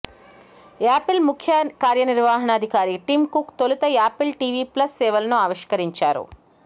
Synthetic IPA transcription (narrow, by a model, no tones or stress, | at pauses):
aːpilmukʰjɐkaːɾjɐniɾʋaːɦɐɳɐːd̪ʱikaːɾiʈiːmkukt̪olut̪ɐaːpilʈiːʋiplɐsːɛːʋɐlɐnuaːʋiʂkɐɾiɲt͡ʃaːɾṵ